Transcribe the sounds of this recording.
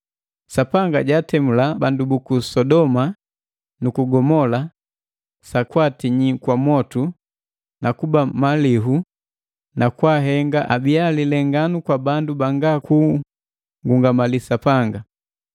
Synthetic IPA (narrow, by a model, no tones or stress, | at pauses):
sapaŋɡaɟatɛmulabandubukusɔdɔma | nukuɡɔmɔla | sakwatiɲikwamɔtu | nakubamaliɦu | nakwaɦɛŋɡaʔabialilɛŋɡanukwabandubaŋɡakuː | ŋɡuŋɡamalisapaŋɡa